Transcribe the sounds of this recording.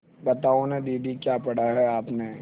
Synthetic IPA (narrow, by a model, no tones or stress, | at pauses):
bɐt̪aːõned̪iːɖikjaːpɐɽ̤aɦɛaːpne